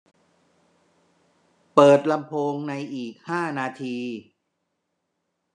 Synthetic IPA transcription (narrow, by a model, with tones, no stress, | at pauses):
pɤː˨˩t̪̚la˧mpʰoː˧ŋna˧jʔiː˨˩k̚haː˥˩naː˧t̪ʰiː˧